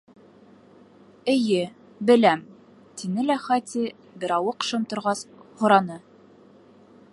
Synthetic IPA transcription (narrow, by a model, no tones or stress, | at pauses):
ɘ̆jɘ | bɘ̆læm | t̪inɘlæχɑt̪ʲi | bɘ̆ɾɑwɤqʃɤ̆mt̪ŏɾʁɑshŏɾɑnɤ